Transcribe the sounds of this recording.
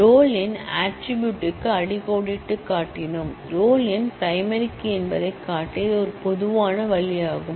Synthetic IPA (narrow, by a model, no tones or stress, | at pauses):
ɾoːlɪnaːʈɾɪbjuːʈːɯkːɯɐɽɪɣoːɽɪʈːɯkːaːʈːɪnɯmɾoːlɪnpɐɪmɐɾɪkːiɛnbɐðɐɪkːaːʈːiðɔɾɯpɔðɯʋaːnɐʋɐɭɪjaːɣɯm